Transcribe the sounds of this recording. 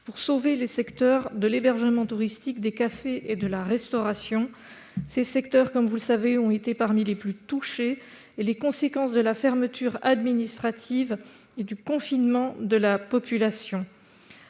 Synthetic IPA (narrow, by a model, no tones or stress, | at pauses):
puʁsovelesɛkt̪œʁd̪əlebɛʁʒəmɑ̃t̪uʁist̪ikd̪ekafeʔed̪əlaʁɛst̪ɔʁasjɔ̃ | sesɛkt̪œʁkɔmvuləsaveɔ̃et̪epaʁmileplyt̪uʃeː | lekɔ̃sekɑ̃sd̪əlafɛʁmət̪ʰyʁa̰d̪minist̪χat̪ʰiv | ed̪ykɔ̃finmɑ̃d̪əlapɔpylasjɔ̃